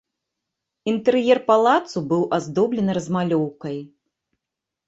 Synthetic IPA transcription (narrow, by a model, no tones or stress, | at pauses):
int̪ɛɾjɛrpalˠat̪subɨwʔazd̪ɔblʲɛnɨɾɐzmalʲɔwkɐj